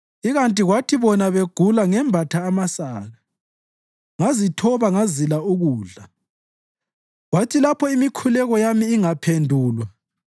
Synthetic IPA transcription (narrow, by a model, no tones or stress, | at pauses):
iɣantʼiɣwatʰiβɔnaβeɡ̥ʱulaŋɛmbʱatʰaːmasaːɣa | ŋazitʰɔβaŋazilauɣuːɮa | ɣwatʰilapʰɔimikʰulɛɣɔjamiːŋapʰendʱuːlwa